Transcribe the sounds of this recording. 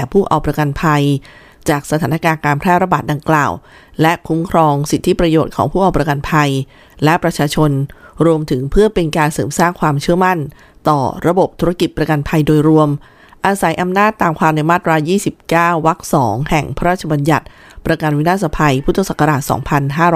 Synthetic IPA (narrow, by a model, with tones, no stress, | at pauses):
pʰuː˥˩ʔa̰˨˩wpɾa˧ka˧npʰa˧j | t͡ɕaː˨˩k̚sa˧t̪ʰaː˩˦na˧kaː˧nkaː˧npʰɾɛː˥˩ɾa˧baː˨˩t̪̚da˧ŋkla̰ː˨˩w | lɛ˦˥ʔkʰu˦˥mkʰɾɔː˧ŋsi˨˩t̪ʰːi˦˥pɾa˧joː˨˩t̪̚kʰɔː˩˦ŋpʰuː˥˩ʔa˨˩wpɾa˧ka˧npʰa˧j | lɛ˦˥pɾa˧t͡ɕʰaː˧t͡ɕʰo˧nɾu˧əmt̪ʰɯ˩˦ŋpʰɯ˥˩əpe˧nkaː˧nsɤː˩˦msaː˥˩ŋkʰwaː˧mt͡ɕʰɯ˥˩əma˥˩n | t̪ɔ̰ː˨˩ɾa˧bo˨˩p̚t̪ʰu˦˥ɾa˦˧ki˨˩t̪̚pɾa˧ka˧npʰa˧jdoː˧jɾu˧əm | ʔaː˧sa˩˦jʔa˧mnaː˥˩t̪ːaː˨˩mkʰwaː˧mna˧jmaː˥˩t̪̚ɾaː˧wjiː˥˩si˨˩p̚kaː˥˩wːa˦˥k̚sɔ̰ː˩˦ŋhɛ˨˩ŋpʰa˦ɾaː˥˩t̪̚t͡ɕʰa˧ba˧nja˨˩t̪̚ | pɾa˧ka˧nwi˦˥naː˥˩sa˧pʰa˧jpʰu˥t̪ʰːa˧sa˨˩kʰːa˧ɾaː˨˩t̪̚sɔ̰ː˩˦ŋpʰa˧nɦaː˥˩ɾɔː˦